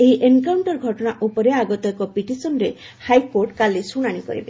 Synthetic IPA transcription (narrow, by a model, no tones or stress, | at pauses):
eiʔenkawɳʈɔɾɡʱɔʈɔɽ̃aʔupɔɾeaɡɔt̪ɔkɔpiʈisɔnɾe | hajkoɾʈkalesuɽ̃aɽ̃ikɔ̰ɾḭbe